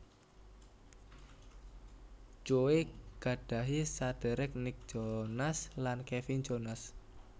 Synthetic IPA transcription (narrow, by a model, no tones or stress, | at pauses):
t͡ʃoweɡ̥a̤ɖ̥ä̤ɦisad̥ɛ̤ɾɛk̚nɪk̚ʒ̥onaslankefin̥d͡ʒonas